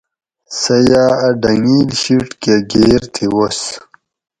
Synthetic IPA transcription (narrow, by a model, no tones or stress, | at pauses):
sɐjaːɐɖɐŋiːlɕiʈkeɡeːɾt̪ʰiwos